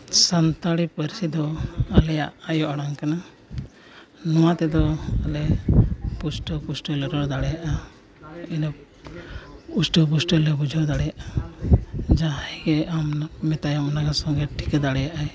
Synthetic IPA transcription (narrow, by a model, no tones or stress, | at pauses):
sant̪aɽipəɾsid̪ɔalɛja̰ʔajɔʔɔɽaŋkana | nɔwat̪ɛd̪ɔalɛ | pusʈɔpusʈɔlɛɾɔɽd̪aɽɛjaʔa | inɔ | usʈɔp̬usʈɔlɛbud͡ʒʱɔd̪aɽɛjaʔa | d͡ʒaɦaɡɛammɛt̪ajamnaɡasɔŋɡɛʈʰi̥ked̪aɽɛjaʔaj